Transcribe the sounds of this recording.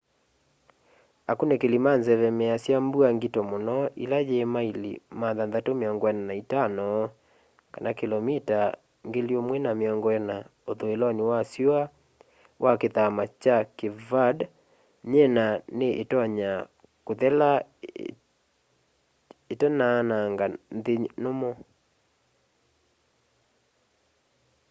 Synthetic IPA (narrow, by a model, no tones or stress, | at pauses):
akonɛkelimanzɛβɛmeasjambuaŋɡetɔmonɔʔḭlad͡ʒeːmailḭmanðanðatomeɔŋɡɔɛnanaitanɔ | kanakelɔmita | ŋɡeliomwɛnameɔŋɡɔɛnaoðoelɔniwasja | wʔakeðamat͡ʃakevad | ɲɛnaneʔetɔɲa | koðɛla | etɛnaːnaŋɡanðenomo